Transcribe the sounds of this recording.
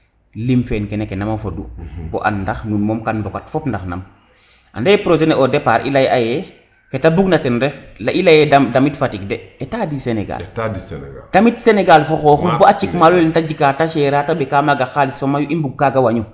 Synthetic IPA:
limfɛnkɛnɛkenamafodṵbɔ̰ʔa̰nːdaxnunmɔːmkanbɔkatfɔpndaxna̰m | ʔa̰ndajɛpɾosenɛʔɔdɛpaɾḭlajʔajɛ | ketabuɡnatɛnɾɛflaʔilajɛdadamitfatikdɛetadisenɛ̰ɡa̰ltadisnɡd̥amitseneɡalfɔxɔxubɔat͡ʃikmalulntaɟikataʃɛɾaːtabɛkamaɡaxalitsomajuʔimbuɡ̚kaɡawaɲu

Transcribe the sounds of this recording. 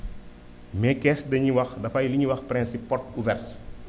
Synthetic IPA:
mɛkɛsdɐɲiwɐxdɐfɐjliɲiwɐxpɾɛnsipːɔrt̚uvɛrt

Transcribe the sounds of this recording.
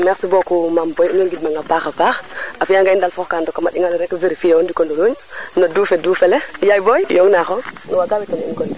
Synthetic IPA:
mɛksibɔkumambɔjinoŋɡidmaŋɡapaxapaxafijaŋɡaindalfɔxkandɔkamaɗiŋalɾɛkviɾifijawondikɔndoluɲnodufɛdufɛlɛjajbɔjjɔŋnaxɔŋnɔwaɡawitɔnḭnkɔnd

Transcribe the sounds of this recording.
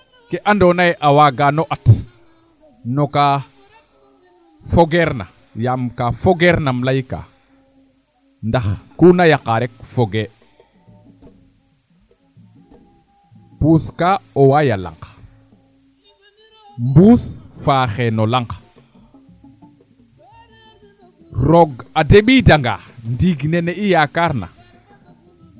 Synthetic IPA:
kɛʔandɔnajʔawaɡanɔʔat | nɔka | fɔɡɛɾna | jamkafɔɡɛɾnamlajka̰ | ndaxkunajaqaɾɛk̚fɔɡe | puskaɔwajala̰ŋk | mbusfaːxɛnɔlaŋɡ | ɾɔɡadeɓidaŋɡa̰ndiɡnɛnɛijakaɾna̰

